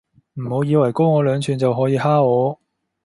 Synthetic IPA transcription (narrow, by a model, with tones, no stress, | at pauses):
m̩˨˩ho˨˧˥wjiː˨˧wɐ˨˩jkʊ˥wŋɔː˨˧lœː˨˧ŋt͡ʃʰyː˨˩nt͡sɐ˨wɦɔː˨˥jiː˨˧haː˥ɔː˨˧